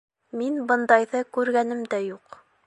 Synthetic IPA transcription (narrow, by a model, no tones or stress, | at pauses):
minbɤ̆nd̪ɑjðɤkʉɾɡænɘmd̪æjuq